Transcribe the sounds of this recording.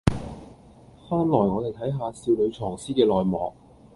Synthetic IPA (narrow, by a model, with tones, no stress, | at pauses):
faː˥nlɔː˨˩jŋɔː˨˧e˨˩jt̪ʰɐ˨˥jɦaː˧siː˧wlɵ˨˧ɥt͡ʃʰɔː˨˩ŋsiː˥kɛː˧lɔː˨jmɔː˨˧k̚